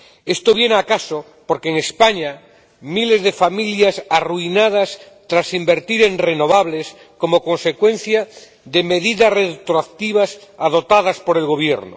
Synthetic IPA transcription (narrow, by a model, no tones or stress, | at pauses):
e̞st̪oβ̞je̞nakaso | po̞ɾkeːŋespaɲa | mile̞zðe̞familjasaruinað̞as | t̪ɾasimbe̞ɾt̪iɾenre̞no̞β̞aβle̞s | ko̞moko̞nse̞kwe̞n̟θja | ðe̞meðiðasret̪ɾoakt̪iβasaðo̞t̪að̞aspo̞ɾe̞lɣo̞βje̞ɾno̰